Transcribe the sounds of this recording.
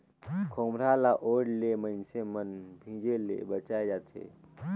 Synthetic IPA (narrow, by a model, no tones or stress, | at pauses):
kʰoːmɾalaʔoːɽlemənsemənbʱĩːd͡ʒelḛbət͡ʃaːed͡ʒaːt̪ʰḛː